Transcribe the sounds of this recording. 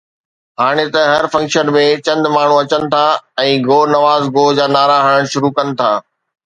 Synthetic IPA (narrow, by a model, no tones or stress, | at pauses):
ɦaːɽ̃et̪ɐɦɐɾfɐ̃ŋkʃənmẽt͡ɕɐ̃nd̪maːɳ̤ũɐt͡ɕənɪ̆t̪ʰaːɛ̃ːɡoːnɐʋaːzɡoːd͡ʑaːnaːɾaɦəɽəɽ̃ʃʊɾukɐnɪ̆t̪ʰaː